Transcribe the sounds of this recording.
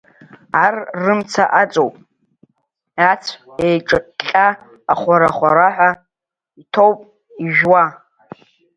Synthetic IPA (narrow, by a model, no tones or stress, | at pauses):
arːɨmt͡sʰaʔat͡sʼowpʼ | at͡sʷʰejʈ͡ʂʼɨɬʲʼaː | χʷaɾaχʷaɾaħʷᶣa | itʰowpʼ | iʒᶣwa